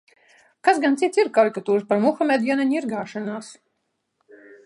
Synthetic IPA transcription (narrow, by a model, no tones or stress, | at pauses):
kasɡant̪sit̪siɾkaɾikat̪uːɾpaɾmuxamʲed̪jɛnaɲiɾɡaːʃanaːs